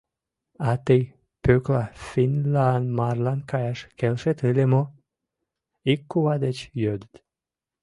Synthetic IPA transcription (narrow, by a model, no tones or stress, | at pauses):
at̪ej | pøklafinlanmaɾlankajaʃkelʃet̪ɨlemo | ikːuwad̪et͡ɕjød̪t̪